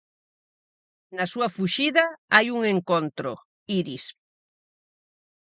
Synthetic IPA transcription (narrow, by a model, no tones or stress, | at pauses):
nasuɐfuʃiðaajuŋeŋkont̪ɾo̰ | iɾis